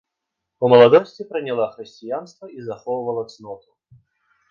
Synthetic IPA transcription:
pəməlˠɐd̪ɔsʲtʲɪpɾənʲɪlˠaxɾʲɪsʲtʲɪjanst̪vəizɐxɔvəvəlˠət̪snɔt̪ʊ̥

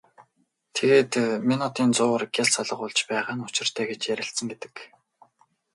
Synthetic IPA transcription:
t̪ʰeɣeːt̪mʲinʊt̪iːnt͡sʊːrɡʲjaɮsɔɮə̆χʊɮt͡ɕpæːʁaːnʊ̥t͡ɕɪ̆r̥t̪ʰæːɡet͡ɕjæɾʲɪ̆ɬt̪sə̆ŋɡet̪ɘ̥̆k

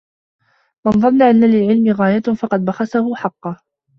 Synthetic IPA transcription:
mɑnðˤɑnːaʔanːalɪlʕɪlmɪɣaːjafɑqɑd̪̚baxasahʊħɑqːɑ

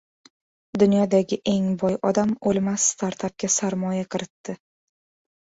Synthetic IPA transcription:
d̪ʊnjɒd̪aɡʲɪʔe̞ŋbɒjɒd̪amolˠmast̪ʰaɾt̪ʰap̚kʲasaɾmɒjaqʰɨɾɪt̪ːɪ

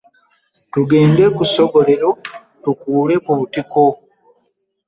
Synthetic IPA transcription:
tuɡe̞ːnde̞kuso̞ɡo̞le̞ɾo̞ | tukuːle̞kuβutiko

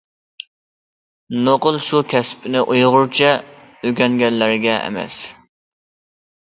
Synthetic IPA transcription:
noqəlˠʃukʲʰɛspʰɪnɪʔujʁʊɾt͡ʃʰɛ | øɡʲɛŋɡʲɛlːæɾɡʲɛʔmɛ̰s

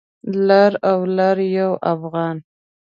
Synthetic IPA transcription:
laɾawlaɾjawʔafɣɑn

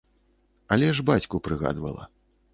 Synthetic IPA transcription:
ɐlʲɛʐbat͡sʲkupɾɨɣa̰d̪vɐ̰lˠɐ̰

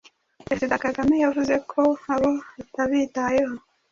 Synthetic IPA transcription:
pɾezidakaɡamejavuze̞kʰo̞aβoataβitaje̞ho̞

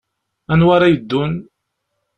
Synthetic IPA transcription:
ænwaɾajəd̪ːun

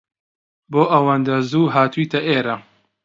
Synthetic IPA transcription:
boːʔɐwand̪ɐzuːɦaːt̪uit̪ɐʔeːɾɐ

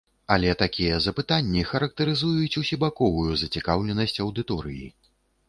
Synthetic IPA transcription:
ɐlʲɛt̪akʲijɛzɐpɨt̪anʲːixɐɾɐk̚t̪ɐɾɨzujut͡sʲusʲibakɔvujuzɐt͡sʲikawlʲɛnɐsʲt͡sʲɐwd̪ɨt̪ɔɾɨ̰jḭ

